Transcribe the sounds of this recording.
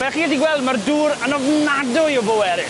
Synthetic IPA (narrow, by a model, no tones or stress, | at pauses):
b̥ɛχiədiɡwɛlˠdmarduːɾənɔvnadʊjɔbowɛɾɪ